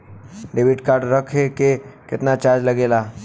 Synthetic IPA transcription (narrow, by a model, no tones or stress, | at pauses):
ɖebiʈkaɾɖɾəkʰekekɪt̪nat͡ɕaɾd͡ʒləɡela